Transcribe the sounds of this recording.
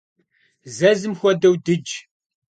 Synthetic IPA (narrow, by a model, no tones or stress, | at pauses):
zæzɨmxʷɐd̪ɐwd̪ɨd͡ʒ